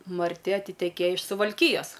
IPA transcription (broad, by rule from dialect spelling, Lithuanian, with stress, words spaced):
mɐrʲˈtʲɪ ɐtʲɪtʲɛˈkʲeːjɛ ɪʃ sʊʋɐlʲˈkʲiːjɛs